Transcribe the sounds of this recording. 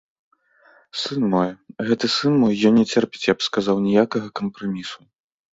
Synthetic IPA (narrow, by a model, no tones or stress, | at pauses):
sɨnmɔjɣɛt̪ɨsɨnmɔjːɔnʲnʲɛt͡sʲɛrpʲɛt͡sʲjapskazawnʲɛjakɐɣɐkɐmpɾamʲisu